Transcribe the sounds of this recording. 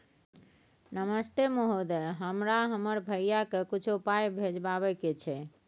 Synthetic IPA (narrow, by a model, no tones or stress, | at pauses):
nəməst̪emoɦod̪ɦəmɾaɦəməɾbʱəjjakekit͡ʃʰuupajbʱed͡ʒbaβɛket͡ʃʰɛ